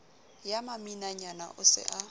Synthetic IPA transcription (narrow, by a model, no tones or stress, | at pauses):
jamaminaɲana̰ʔʊsɪ̰ʔa